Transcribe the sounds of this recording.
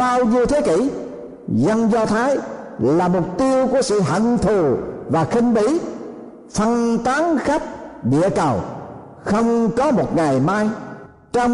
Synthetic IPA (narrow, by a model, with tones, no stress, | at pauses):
ɓaː˧wɲi˧wt̪ʰe˨˦kḭ˧˩ | zə˧nzɔ˧t̪ʰaː˨˦j | laː˨˩mʊ˨˩k͡p̚t̪i˧əwku˧˩əsɨ̰˧˨ɦə̰˧˨ŋt̪ʰu˨˩vaː˨˩xï˧ŋ̟ɓi˧˦ | fə˧nt̪aː˨˦ŋxa˦˥k̚ɗḭ˧˨əkə˨˩w | xə˧wŋ͡mkɔ˨˦mo˨˩t̚ŋa˨˩jmaː˧j | t͡ɕɔ˧wŋ͡m